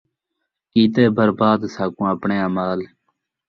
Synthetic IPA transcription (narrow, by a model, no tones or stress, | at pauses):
kiːt̪eːbəɾbaːd̪saːkũːəpɳẽːaːmaːl